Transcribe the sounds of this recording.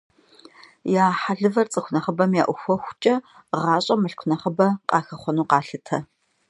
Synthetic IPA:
jaːħaɮɨvɐrt͡sʼɨxʷʊnɐχɐbɐmja̰ːʔʷʊxʷɔxʷt͡ʃʼɐ | ʁɑːɕʼɐmɨɬkʷʰʊnɐχɐbɐqʼɑ̰ːxɐχʷɔnuːqɑːɬɨtʰɐ

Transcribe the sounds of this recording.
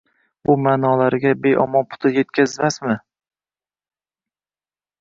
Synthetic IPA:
bʊmaːnɒlaɾɡʲabe̞jʔɒ̰mɒnpʰʊ̥t̪ʰɪje̞t̪kʲʰazmasmɪ

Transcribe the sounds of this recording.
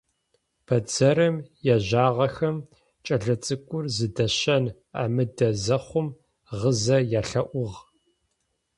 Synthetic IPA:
pʰɐd͡zɐɾɨmjaʑaːʁɐxɐm | t͡ʃʼɐɮɐt͡sʼɨkʷʼʊrzɨdɐɕɐn | a̰ːmɨdɐzɐχʷʊm | ʁəzɐjaːɬɐʔʷʊʁ

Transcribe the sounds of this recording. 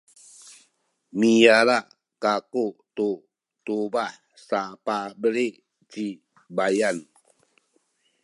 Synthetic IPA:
mijalaʔ | kakot̪o | t̪ubah | sapabəɾeʔ | t͡ʃi | bajan

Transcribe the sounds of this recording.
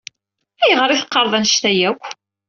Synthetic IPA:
æjəʁəɾˤiθə̥qːɑɾˤðˤænʃt̪æjækʷː

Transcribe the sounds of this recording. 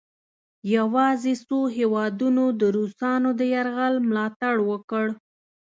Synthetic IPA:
jawɑzesoɦewɑd̪unod̪əɾusɑnod̪əjaɾɣalmlɑt̪aɽwəkəɽ

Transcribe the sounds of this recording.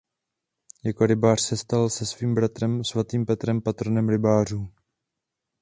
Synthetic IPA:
jako̞ɾɪbaːr̥sɛst̪alsɛsviːmbɾat̪ɾɛmsvat̪iːmpɛt̪ɾɛmpat̪ɾonɛmɾɪbaːr̝uː

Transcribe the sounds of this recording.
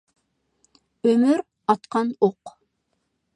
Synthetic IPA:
ømyɾ | ɑt̪qʰɑnoq

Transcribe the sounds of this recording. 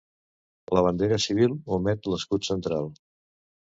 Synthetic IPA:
ləβ̞ənd̪eɾəsiβ̞ilˠumɛt̪ləskut̪sənt̪ɾalˠ

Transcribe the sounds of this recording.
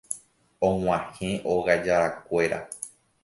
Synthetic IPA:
õw̃ãhẽʔoɣad͡ʒaɾakʷe̞ɾa̰

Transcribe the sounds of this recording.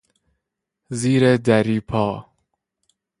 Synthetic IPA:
ziːɾed̪æɾiːpʰɒː

